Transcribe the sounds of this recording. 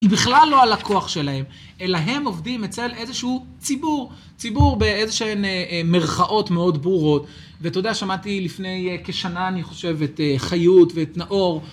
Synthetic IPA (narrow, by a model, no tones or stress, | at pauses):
ibiχlalːo̞alakʰo̞aχʃe̞laɦe̞m | e̞laɦe̞mo̞vdimet͡se̞lʔezeʃuu | t͡sibuʁ | t͡sibuʁbe̞ezeʃeememeʁχaʔo̞tme̞o̞dbuʁo̞t | veto̞daʃamatilifne̞jke̞ʃanaːniχo̞ʃe̞veteχajutveːtnaʔo̞ʁ